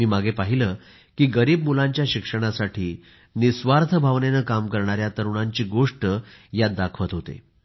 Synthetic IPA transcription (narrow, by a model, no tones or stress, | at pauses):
miːmaɡʱepaɦiləː | kiːɡəɾiːbmulaɲt͡ɕjaɕikʂəɽ̃asaʈʰiː | nisʋaɾt̪ʰəbʱaʋnenəːkamkəɾɳ̃aɾjat̪əɾuɳ̃aɲt͡ɕiːɡoʂʈəjad̪akʰʋət̪ɦot̪ḛ